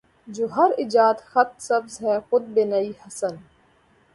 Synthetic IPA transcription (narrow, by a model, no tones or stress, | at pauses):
d͡ʒoːɦɐɾɪd͡ʒaːt̪xɐt̪̚sɐbzɦɛːxʊd̪̚benɐihɐsən